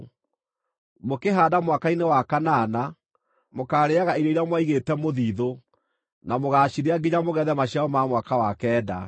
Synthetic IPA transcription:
mokeɦaːdamwakainewakanaːna | mokaːɾeaɣaiɾɔiɾeamwaiɣetɛmoðiːðo | namoɣaːɕiɾeaɡeɲamoɣɛðɛmaɕiaɔmamwakawakɛːda̰

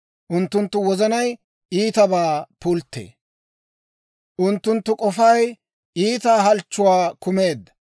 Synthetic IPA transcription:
ʔʊnt̪ːʊnt̪ːʊwɔzɐnɐj | iːt̪ɐbaːpʊlt̪ːḛː | ʔʊnt̪ːʊnt̪ːʊkʼɔfɐj | iːt̪aːɦɐlt͡ʃːʊwaːkʊme̞ːd̪ːɐ̥

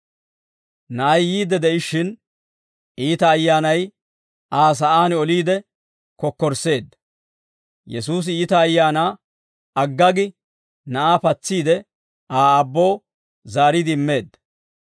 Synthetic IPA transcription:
nɐɐjːiːd̪ɛd̪ɛʔɪʃːɪn | iːt̪ɐːjːaːnɐj | aːs̬ɐʔaːnɔliːd̪ɛ | kɔkːɔɾse̞ːd̪ːɐ | jɛsuːs̬ɪiːt̪ɐːjːaːnaː | ɐɡːɐɡɪ | nɐʔaːpɐt͡sːiːd̪ɛ | ʔaːɐbːo̞ː | zaːɾɪd̪ɪɪmːe̞ːd̪ːɐ

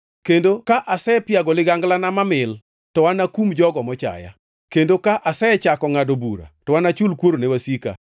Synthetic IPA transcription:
kendokaʔasɛpjaɡɔlɪɡaŋɡlanamamɪl | tɔwanakumd͡ʒɔɡɔmɔt͡ʃa̰ja̰ | kendokaʔasɛt͡ʃakɔŋadobuɾa̰tɔwanat͡ʃulkwoɾonewasika̰

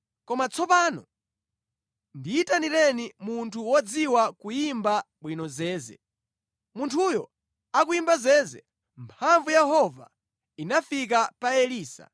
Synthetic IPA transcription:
kɔmat͡sʰɔpaːnɔ̰ | ndiitaniɾɛnimuntʰuwɔd͡ziwakujimbaɓwinɔzɛːzɛ̰ | muntʰujɔ | ak̬uimbazɛːzɛ̰ | mpʰaɱvujɛɦɔva̰ | inafik̬apaɛliːsa̰

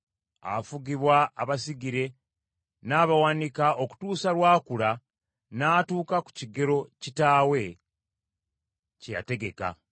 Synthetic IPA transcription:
a̰fuɡiβwaːβasiɡiɾe̞ | naːβawaːnikaʔo̞ku̥tuːsalwaːkuɾa | naːtuːkaku̥ciɡe̞ɾo̞citaːwe̞ | cja̰te̞ɡe̞ka̰

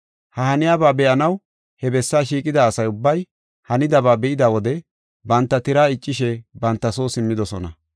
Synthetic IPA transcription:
hɐhɐnɪjaːbaːbɛʔɐnɐw | hɛbɛsːaːʃ̬iːkʼɪd̪aːsɐjʊbːɐj | hɐnɪd̪ɐbaːbɛʔɪd̪aːwɔd̪ɛ | bɐnt̪ːɐt̪ɪɾaːɪt͡ʃʼːɪʃɛbɐnt̪ːɐso̞ːsɪmːɪd̪ɔsɔ̰nɐ̰

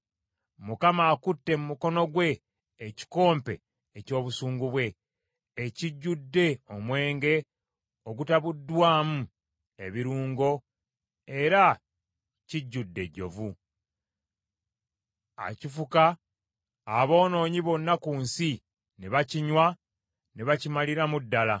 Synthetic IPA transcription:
mukamaːkutːe̞mumuko̞no̞ɡwe̞ː | ci̥ko̞ːmpe̞̰ː | co̞ːβusuːŋɡuβwe̞ː | ciɟːudːe̞o̞mwe̞ːŋɡe̞ | oɡutaβudːwaːmu | e̞βiɾuːŋɡo̞ | e̞ɾa | ciɟːudːe̞ɟːo̞̰vu | a̰cifukaː | βo̞ːno̞ːɲiβo̞nːakuːnsi | neβaciɲwa | neβacimaliɾamudːala

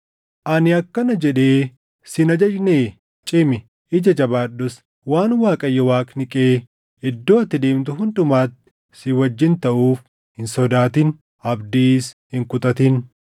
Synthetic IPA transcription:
ʔɐnɪɐkːɐnɐd͡ʒɛᶑeː | sɪnɐd͡ʒɐd͡ʒneː | t͡ʃʼɪmɪ | ʔɪd͡ʒɐd͡ʒɐbaːɗːɔs | waːnwaːkʼɐjːɔwaːknɪkʼeː | ɪd̪ːo̞ːɐt̪ːɪd̪eːmt̪ʊɦʊnd̪ʊmaːt̪ːɪ̥ | sɪwɐd͡ʒːɪnt̪ɐʔuːf | hɪnsɔd̪aːt̪ɪn | ɐbd̪iːshɪŋkʊt̪ʼɐt̪ɪn

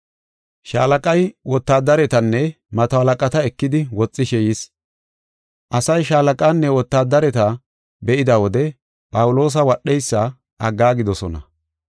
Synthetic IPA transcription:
ʃaːlɐkʼɐjwɔt̪ːaːd̪ːɐɾɛt̪ɐnːɛ | mɐt̪ɔɐlɐkʼɐt̪ɐɛkːɪd̪ɪwɔt͡sʼːɪʃɛjɪs | ʔɐsɐjʃaːlɐkʼaːnːɛwɔt̪ːaːd̪ːɐɾɛt̪ɐ | bɛʔɪd̪ɐwɔd̪ɛ | pʼɐwʊlo̞ːs̬ɐwɐɗːɛjsːɐ | ʔɐɡːaːɡɪd̪ɔsɔnɐ̰

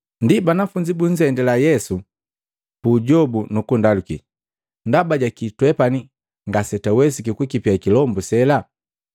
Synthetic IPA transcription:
ndibanafuɲd͡ʒibuɲ̩zɛndɛlajɛsu | kuɟɔbunukundalukḭ | ndabaɟakitwɛpani | ŋɡasɛtawɛsikikukipiakilɔmbusɛla

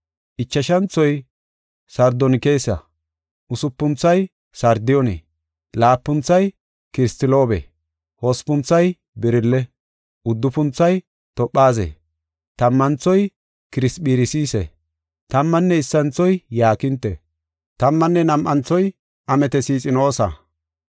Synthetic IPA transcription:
ʔɪt͡ʃːɐʃɐnt͡sːɔj | sɐɾd̪ɔnɪkeːsːɐ̰ | ʔʊsʊpːʊnt͡sːɐj | sɐɾd̪ɪjɔnḛː | laːpːʊnt͡sːɐj | kɪɾɪst̪ɪloːbɛ̰ | hospʊnt͡sːɐj | bɪɾɪlːɛ | ʔʊd̪ːʊpʊnt͡sːɐj | t̪ɔpʔːaːzḛ | t̪ɐmːɐnt͡sɔj | kɪɾɪspiːɾɪsiːsɛ̰ | t̪ɐmːɐnːɛɪsːɐnt͡sɔjjaːkɪnt̪ːɛ̰ | t̪ɐmːɐnːɛnɐmʔɐnt͡sːɔj | ʔɐmɛt̪ɛsiːt͡sʼɪno̞ːsɐ̰

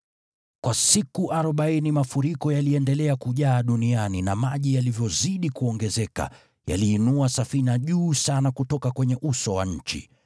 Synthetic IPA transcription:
kwʔasikuʔaɾɔɓainimafuɾikɔjaliɛndɛlɛakuʄaːɗunianinamaʄijalivjɔziɗikuɔŋɡɛzɛka̰ | ja̰liːnuasafinaʄuːsanakutɔkakwɛɲɛʔusɔwaɲ̩t͡ʃḭ

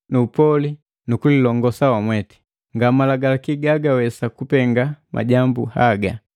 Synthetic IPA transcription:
nuːpɔli | nukulilɔŋɡɔsawamwɛtɛ̥ | ŋɡamalaɡalakiɡaɡawɛsakupɛŋɡamʔa̰ɟambṵhaɡa̰

